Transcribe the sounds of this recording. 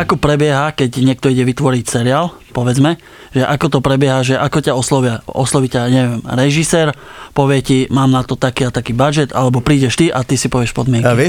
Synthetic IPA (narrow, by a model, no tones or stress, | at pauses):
akɔpɾɛbɪɛɦakɛɟɲɪɛk̚t̪ɔiɟɛʋit̪ʋɔɾicsɛɾiaːl | pɔʋɛd͡zmɛ | ʒ̥ɛʔakɔt̪ɔpɾɛbɪɛɦaʒɛʔakɔcaɔslɔʋɪaɔ̰slɔʋicaɲɛʋɪɛmɾɛʒisɛːɾpɔʋɪɛcimaːmnat̪ɔt̪akiːat̪akiːbad͡ʒɛt̪a̰lɛbɔpɾiːɟɛʃt̪iʔat̪isipɔʋɪɛʃpɔd̪mɪɛŋkiɛ